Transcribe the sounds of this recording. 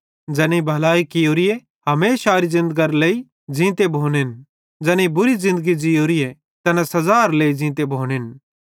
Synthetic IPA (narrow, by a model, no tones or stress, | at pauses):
d͡ʒɛːneibʱɐlaːikɪjoːɾije | ɦɐmeːʃaːɾizɪ̃nd̪əɡɐɾleːi | d͡ʒĩːt̪̬ebʱoːnen | d͡ʒɛneibʊɾizɪ̃nd̪əɡid͡ʒijoːɾije | t̪ɐnãsɐzaːɾleːid͡ʒĩːt̪̬ebʱoːnen